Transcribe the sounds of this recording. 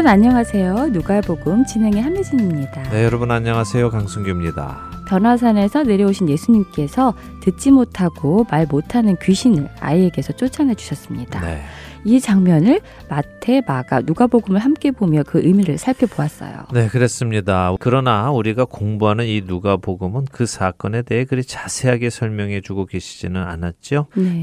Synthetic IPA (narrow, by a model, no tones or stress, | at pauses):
bɯnaɲʌŋɦasʰe̞jonuɡaeboɡɯmt͡ɕinɦe̞ŋeɦamiɕʰiɲimɲidanejʌɾʌbɯnaɲʌŋɦasʰe̞jokaŋsʰuŋɡimɲida̰pjʌnɦwas̬ʰane̞sʰʌne̞ɾjʌoɕʰinje̞sʰuɲimk͈e̞sʰʌ | tɯt̚t͡ɕ͈imotʰaɡ̥omaɭmotʰanɯnkɥiɕʰinɯɭa̰ie̞ɡe̞sʰʌt͡ɕ͈ot͡ɕʰanɦed͡ʑu̥ɕʰʌs͈ɯmɲida̰ḛ | it͡ɕaŋmjʌnɯɭ | matʰe̞maɡanuɡaboɡɯmɯɭɦamk͈e̞bomjʌkɯʔɯmiɾɯɭsʰaɭpʰjʌboas͈ʌ̰jo̰ne̞kɯɾe̞s͈ɯmɲidakɯɾʌnauɾiɡakoŋbuɦanɯninuɡapoɡɯmɯnkɯsʰak͈ʌne̞de̞ɦekɯɾit͡ɕasʰe̞ɦaɡe̞sʰʌɭmjʌŋɦe̞t͡ɕuɡoɡe̞ɕʰid͡ʑinɯna̰nat̚t͡ɕ͈one